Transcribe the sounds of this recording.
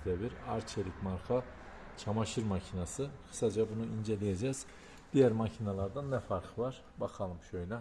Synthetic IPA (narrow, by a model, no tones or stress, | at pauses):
d̪eviɾaɾt͡ʃʰeɾʲicmaɾkʰa | t͡ʃʰamaʃɯɾmacʰinasɯxʰɯ̥sad͡ʒabunuind͡ʒe̞lʲijed͡ʒɛz̥ | d̪̥ijæɾmacʰinalˠaɾd̪anːɛfaɾqʰvaɾ̥ | bakʰalˠɯmʃøjlʲɛ